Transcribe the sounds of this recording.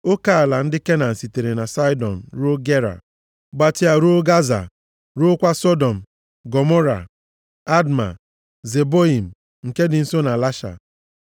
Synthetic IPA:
o˦ka˨a˨la˨n̩˦dɪ˦ke˦na˨n̩˨si˨te˨ɾe˨na˨sa˦jdɔ̰˨n̩˨ɾo˦ɡe˦ɾa̰˨ | ɡ͡ba˨tɪ˨a˨ɾo˦ɡa˦za̰˨ | ɾo˦kʷa˦sɔ˦dɔ˨m̩˨ | ɡɔ˨mo˦ɾa̰˨ | a˦dma̰˨ | ze˨bo˦i˨m̩˨ | ŋ̩˨ke˦dɪ˨n̩˦so˦na˨la˦ʃa̰˨

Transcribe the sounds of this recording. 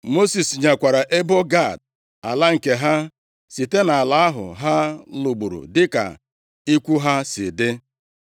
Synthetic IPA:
mo˦si˨sɲa˨kʷa˨ɾa˨ʔe˦bo˦ɡa˦˨d̚ | a˨la˦ŋ̩˨ke˨ɦa˦ | si˨te˦na˨la˦a˦ɦʊ̰˨ɦa˦lu˨ɡ͡bu˨ɾṵ˨dɪ˦ka̰˨ | i˦kʷu˦ɦa˦sɪ̰˨dɪ˦

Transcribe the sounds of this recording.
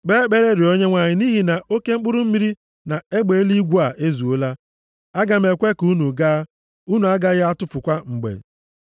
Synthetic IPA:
ɡ͡be˦k͡pe˦ɾe˦ɾɪ˨o˦ɲe˦ŋʷa˨ɲɪ˨ni˦ɦi˨na˨ʔo˦ke˦ŋ͡m̩˦k͡pʊ˦ɾʊ˦m̩˦mi˦ɾi˦ | na˨e˦ɡ͡be˨e˦li˦ɡʷu˦a˨ʔe˦zu˨o˦la˦ | a˦ɡa˨m̩˦e˨kʷe˦ku˦nu˨ɡa˦ | u˦nu˨a˦ɡa˦ɣɪ˦a˦tʊ˦fʊ˨kʷa˦ŋ͡m̩˨ɡ͡bḛ˨

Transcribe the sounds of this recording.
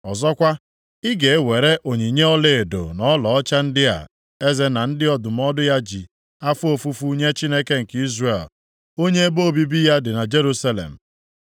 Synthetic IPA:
ɔ˨zɔ˦kʷa˦ | ɪ˦ɡe˨e˦we˨ɾe˦ʔo˨ɲi˨ɲe˦ɔ˦le˨e˨do̰˨nɔ˦lɔ˨ɔ˦t͡ʃa˦n̩˦dɪ˦a̰˨ | e˦ze˦na˨n̩˦dɪ˦ɔ˨dʊ˨m̩˦ɔ˦dʊ˦ja˦d͡ʒḭ˨ | a˦fʊ˦o˨fu˦fu˦u˦ɲe˦t͡ʃi˦ne˦ke˦ŋ̩˨ki˦zre˨l | o˦ɲe˦e˦bo˦˨bi˦bi˦ja˦dɪ˨na˨d͡ʒe˦ɾu˦sa˦lḛ˨m̩˨

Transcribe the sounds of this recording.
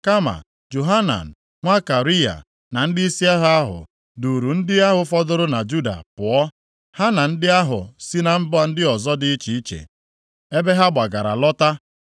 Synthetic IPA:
ka˦ma̰˨ | d͡ʒo˨ɦa˦na̰˨n̩˨ | ŋʷa˦ka˨ɾi˦ja̰˨ | na˨n̩˦dɪ˦i˦si˦a˦ɦa˦ɦʊ̰˨ | du˨ɾu˨n̩˦dɪ˦a˦ɦʊ˨fɔ˦dʊ˦ɾʊ˦na˨d͡ʒu˦da̰˨pʊ˨ɔ˦ | ha˦na˨n̩˦dɪ˦a˦ɦʊ˨si˦na˨m̩˦bʊ˦a˨n̩˦dɪ˦ɔ˨zɔ˦dɪ˦i˦t͡ʃi˨i˦t͡ʃḛ˨ | e˦be˦ɦa˦ɡ͡ba˨ɡa˨ɾa̰˨lɔ˦ta˦

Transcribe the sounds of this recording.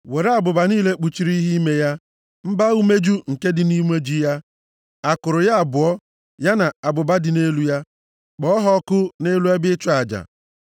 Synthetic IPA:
we˨ɾe˦a˨bʊ˨ba˨niː˦le˦k͡pu˨t͡ʃi˨ɾi˦ɦi˦me˦ja˦ | m̩˦ba˦u˦me˦d͡ʒu˦ŋ̩˨ke˦dɪ˨ni˦m˦e˦d͡ʒi˦ja˦ | a˨kʊ˨ɾʊ˨ja˦a˨bʊ˨ɔ˦ | ja˦na˨a˨bʊ˨ba˦dɪ˨ne˦lu˦ja˦ | k͡pɔ˦ɔ˦ɦɔ˦kʊ˦ne˦lu˦a˦bɪ˦t͡ʃʊ˦a˨d͡ʒa̰˨

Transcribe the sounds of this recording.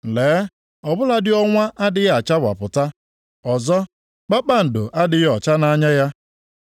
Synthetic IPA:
leː˨˦ | ɔ˨bʊ˦la˦dɪ˦ɔ˦ŋʷa˦ʔa˦dɪ˦ɣa˨t͡ʃa˦ba̰˨pʊ˨ta˦ | ɔ˨zɔ˦ | k͡pa˦k͡pa˦n̩˨dʊ˨ʔa˦dɪ˦ɣɔ˨t͡ʃa˦na˦ɲa˦ja˦

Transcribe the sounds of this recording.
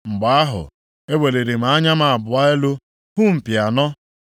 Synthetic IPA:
ŋ͡m̩˨ɡ͡ba˨a˦ɦʊ̰˨ | e˦we˨le˨ɾe˨m̩˨a˦ɲa˦ma˨a˨bʊ˨a˦e˦lo˦ | ɦu˦m̩˨pja˨nɔ˦

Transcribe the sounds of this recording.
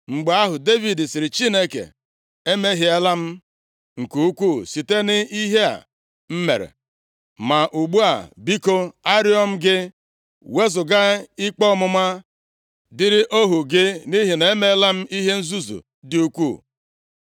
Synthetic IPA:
ŋ͡m̩˨ɡ͡ba˦ɦʊ˨de˦vi˨dsɪ˨ɾɪ˨t͡ʃi˦ne˦kḛ˨ | e˦me˦ɦɪ˨˦e˦la˦m̩˦ | ŋ̩˨ku˨u˦kʷu˦˨si˨te˦nɪ˦i˦ɦe˦a̰˨ | m̩˦mḛ˨ɾḛ˨ | ma˨ʔu˨ɡ͡bu˦a̰˨bi˦ko˦a˦ɾɪ˦ɔ˦m̩˦ɡɪ˦ | we˦zʊ˨ɡa˦ɪ˦k͡pɔ˦mʊ˦ma˦ | dɪ˦ɾɪ˦ʔo˦ɦu˨ɡɪ˦ni˦ɦi˨ne˨˦me˦la˦m̩˦ʔi˦ɦe˦n̩˦zu˦zṵ˨ | dɪ˦u˦kʷu˦˨

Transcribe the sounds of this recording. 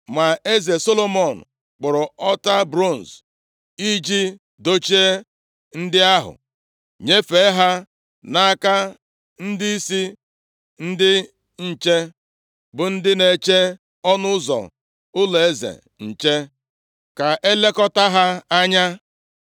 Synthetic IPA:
ma˨e˦ze˨so˦lo˦˨mɔ˨n̩˨ | k͡pʊ˨ɾʊ˨ɔ˦ta˦bɾo˦˨n̩˨s | i˦d͡ʒi˦ | do˦t͡ʃi˦e˦ | n̩˦dɪ˦a˦ɦʊ̰˨ | ɲe˦fe˨˦ɦa˦ | na˦a˦ka˦ | n̩˦dɪ˦i˦si˦ | n̩˦dɪ˦ | ɲ̩˨t͡ʃe˦ | bʊ˨n̩˦dɪ˦ne˨t͡ʃe˦ | ɔ˦nʊ˦ʊ˦zɔ̰˨ | ʊ˦le˨e˦zḛ˨ | n̩˨t͡ʃe˦ | ka˨ʔe˦le˦kɔ˦ta˦ɦa˦a˦ɲa˦

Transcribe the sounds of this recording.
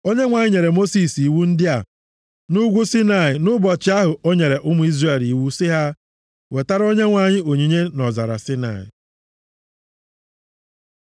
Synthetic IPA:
o˦ɲe˦ŋʷa˨ɲɪ˦ɲe˨ɾe˨mo˦si˨si˨wu˦n̩˦dɪ˦a˨ | nʊ˦ɡʷu˦si˦na˨ɪ˨nʊ˦bɔ˨t͡ʃɪ˦a˦ɦʊ˨o˦ɲe˨ɾe˨ʔʊ˦mʊ˦i˦zre˨li˨wu˦sɪ˦ɦa˦ | we˨ta˦ɾo˦ɲe˦ŋʷa˨ɲɪ˦o˨ɲi˨ɲe˦nɔ˨za˨ɾa̰˨sɪ˦na̰˨ɪ̰˨

